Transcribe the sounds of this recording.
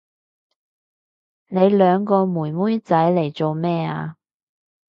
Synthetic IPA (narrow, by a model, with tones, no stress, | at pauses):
ne˨˧jlœː˨˧ŋkɔː˧muː˨˩jmuː˥jt͡sɐ˨˥jle˨˩jt͡so˨wmɛː˥˩a̰ː˧